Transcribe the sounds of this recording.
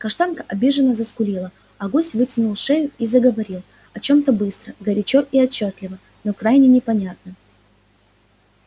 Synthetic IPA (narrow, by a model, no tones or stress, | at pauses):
kɐʂt̪ankəʔɐbʲiʐɨnːəzəskʊlʲilˠə | ɐɡosʲvɨtʲɪnʊlˠʂɛjʊizəɡəvɐɾʲilˠ | ɐt͡ɕo̞mt̪əbɨst̪ɾəɡəɾʲɪt͡ɕo̞ʔiɐt͡ɕːot̪lʲɪvə | no̞kɾajnʲɪnʲɪpɐnʲat̪nə